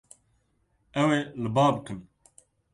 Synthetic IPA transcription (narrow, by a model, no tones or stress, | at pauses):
ɛwelɨbaːbɨkʰɨn